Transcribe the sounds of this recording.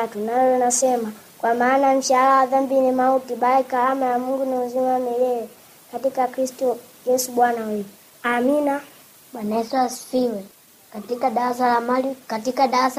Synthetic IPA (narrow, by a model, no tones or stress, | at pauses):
tunaɔlɔnasɛma | kwamaːnam̩ʃalawaðambinimautiɓaikaamajamuŋɡuniuzimanɛjɛjɛ | katikakɾistɔ | jɛsuɓwanawɛ | amina | ɓwanaɛsuasfiwɛ | katikaɗaɾas̬alamalikatikaɗaɾas